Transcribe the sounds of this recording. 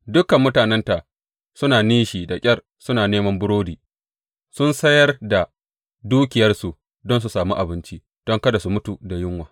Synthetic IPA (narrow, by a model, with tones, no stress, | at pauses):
dʊ˦kɐ˨mːʊ˦taː˨nɛ˦nta˨ | sʊ˦naː˨niː˦ʃiː˨da˨kʲʼɐ˦r | sʊ˦naː˨neː˦mɐ˦mbʊ˦ɽoː˦diː˨ | sʊ˦nsɐ˦jɐ˦rda˨ | duː˦kʲɪ˨jɐ˦rsu˨ | dɔ˦ns̬u˨saː˨mu˦ʔa˨bɪ˦nt͡ʃi˦ | d̥ɔ˦ŋkɐ˦da˨su˨mʊ˦tu˨da˨jɪ˦ŋwaː˨